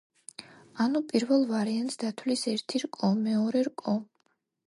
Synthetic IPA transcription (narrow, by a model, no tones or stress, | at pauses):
anupʼiɾvɛlˠvaɾiant̪ʼsd̪at̪ʰwlisɛɾt̪ʰiɾkʼɔmɛɔɾɛɾkʼɔ